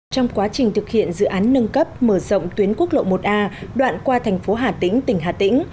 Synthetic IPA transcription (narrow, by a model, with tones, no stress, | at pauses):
t͡ɕɔ˧wŋ͡mkwaː˨˦t͡ɕï˨˩ŋ̟t̪ʰɨ˨˩k̚hḭ˧˨ənzɨ̰˧˨ʔaː˨˦nːə˧nkə˦˥p̚məː˧˩zə̰˧˨wŋ͡mt̪wi˨˦ənku˦˥ək̚lo̰˧˨mo˨˩t̚ʔaː˧ɗwa̰ː˧˨nkwaː˧t̪ʰɛ˨˩ŋ̟fo˨˦ɦaː˨˩t̪ḭ̈˧˥ŋ̟t̪ï˨˩ŋ̟ɦaː˨˩t̪ḭ̈˧˥ŋ̟